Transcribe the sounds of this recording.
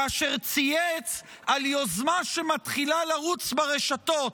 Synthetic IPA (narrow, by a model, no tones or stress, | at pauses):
aʃeʁt͡sijet͡s | aljo̞zmaʃemat̪χilalaʁut͡sbaʁe̞ʃat̪o̞t